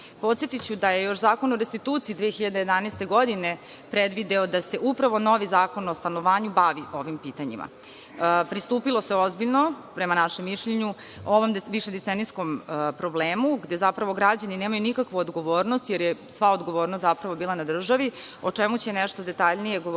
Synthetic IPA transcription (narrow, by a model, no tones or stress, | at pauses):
po̞t̪sjet̪it͡ɕud̪aje̞jo̞ʃzaːko̞noɾest̪it̪uːt̪siːd̪ʋeːxiʎad̪eje̞d̪aneːst̪e̞ɡo̞d̪ine | pɾed̪ʋid̪eod̪ase̞ʔupɾaʋo̞no̞ʋizaːko̞nost̪anoʋaːɲubaʋiʔo̞ʋimpiːt̪aɲḭmʔa̰ | pɾist̪uːpilˠose̞o̞zbiʎno̞pɾemanaʃemːiʃʎeɲu | oʋo̞mʋiʃed̪et̪enisko̞mpɾo̞bleːmuɡd̪e̞zapɾaʋo̞ɡɾad͡ʑanineːmajunikakʋuod̪ɡo̞ʋoːɾnost̪jeɾjesʋaod̪ɡo̞ʋo̞ːɾnost̪apɾaʋo̞biːlˠanad̪r̩ʒaʋiot͡ʂemut͡ɕenɛʃt̪o̞d̪et̪aʎnije̞ɡo